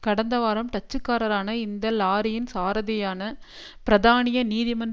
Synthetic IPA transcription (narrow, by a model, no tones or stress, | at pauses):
kɐɽɐnd̪ɐʋaːɾɐmʈ̪ɐt͡ʃːɯkːaːɾɐɾaːnɐɪnd̪ɐlaːɾɪjɪnsaːɾɐðɐjaːnɐ | pɪɾɐðaːnɪjɐniːðɪmɐn